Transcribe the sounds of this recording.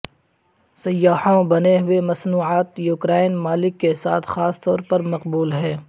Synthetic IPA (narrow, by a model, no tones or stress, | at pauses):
sɐjːaːhõbɐneɦʊemɐsnuːʕaːt̪juːkɾaːɪnmaːlɪkːesa̰ːt̪ʰxaːst̪ɔːɾpɐɾmɐqbuːlɦɛː